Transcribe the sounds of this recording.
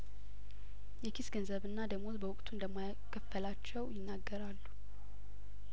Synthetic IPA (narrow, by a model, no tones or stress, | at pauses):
jɛkʰisɡənzəβɨnːad̪əɡmo̞t̪bəwʊkʼt̪ʰund̪əmːajakʰːəfːəlat͡ʃːɛwjɪnːaɡːəɾalːu̥